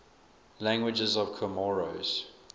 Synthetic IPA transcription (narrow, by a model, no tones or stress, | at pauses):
læ̃ŋɡwɪd͡ʒəzɔv̥kʰəmɔɹo̰z̥